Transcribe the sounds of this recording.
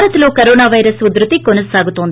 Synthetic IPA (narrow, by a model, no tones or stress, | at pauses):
ɾɐt̪ɐlo̞ːkɐɾoːnaːʋɐjɾɐsud̪ɾut̪ikonɐsaːɡut̪oːnd̪